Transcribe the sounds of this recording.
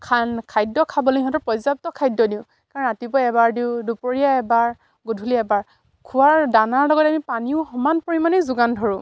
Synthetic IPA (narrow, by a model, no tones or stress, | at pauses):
kʰankʰajdɔkʰabɔloiɦɔ̃tɔɹpɔjzap̚tɔkʰajdɔdiʊ | kaɹɔnatibɔɛbaɹdiʊdupoɹijaɛbaɹ | ɡudʱuliɛbaɹ | kʰuwaɹdanaɹlɔɡɔtɛamipaniʊxɔmanpoɹimanɛzʊɡandʱɔɹʊ̃